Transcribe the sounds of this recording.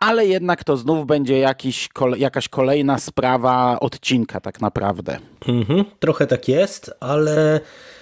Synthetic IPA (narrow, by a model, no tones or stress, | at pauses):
ʔalɛjɛd̪nakt̪ɔznuvbɛɲd͡ʑɛjakʲiɕkʰɔljakaɕkʰɔlɛjnaspɾavaɔ̰t̪t͡ɕinkat̪aknapɾʔa̰vd̪ɛ̰m̩ɦm̩t̪ɾɔxɛt̪akjɛst̪ʔalɛ